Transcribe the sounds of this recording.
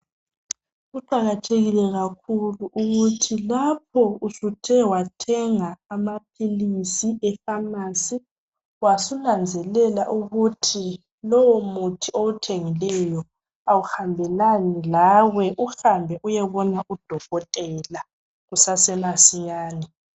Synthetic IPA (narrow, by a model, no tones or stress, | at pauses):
ɣuǃaɣatʰeɣilɛɣakʰuluʔuɣutʰilap̚ʰɔusutʰɛwatʰɛŋaːmapʰilisiɛfamasi | wasunand͡zʱɛlɛlaʔuɣutʰi | lɔwɔmutʰioutʰeŋilɛjɔ | awuhambʱɛlanilawɛʔuhambʱɛʔujɛβɔnaʔud̥ʱɔɣɔtʼɛla | ɣusasɛmasiɲaːnɛ